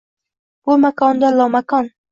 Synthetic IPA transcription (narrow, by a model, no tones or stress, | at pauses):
b̥ʊmakʰɒnd̪alɒmakʰɒn